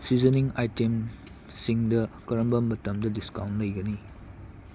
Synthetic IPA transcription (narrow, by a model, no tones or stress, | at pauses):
sizɐniŋajtem | siŋdɐkɐɾɐmbɐmbɐtɐmdɐdiskawntlɐjɡɐni